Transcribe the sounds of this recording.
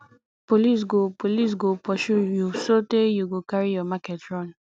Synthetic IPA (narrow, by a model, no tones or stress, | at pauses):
polis̬ɡopolis̬ɡopʰɔʃujusotejuɡokaɹijɔmakɛtɹɔ̃n